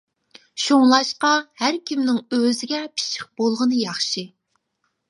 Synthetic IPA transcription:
ʃoŋlˠɑʃqɑhæɾkʲʰimnɪŋøzɪɡʲɛpʰi̥ʃʰɪ̥q̚b̥olˠʁənɨjɑχʃɨ

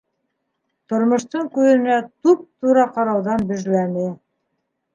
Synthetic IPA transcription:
t̪ŏɾmŏʃt̪ɤɴkʉðɘ̆næt̪up̚t̪uɾɑqɑɾɑwðɑnbɵ̆ʒlænɘ

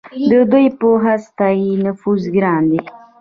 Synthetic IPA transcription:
d̪əd̪ujpoɦast̪ɑjinʊfuzɡɾɑnd̪i

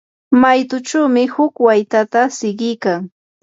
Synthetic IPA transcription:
majt̪ʊt͡ʃawmɪhʊkwajt̪at̪asɪɢɪjkaŋ

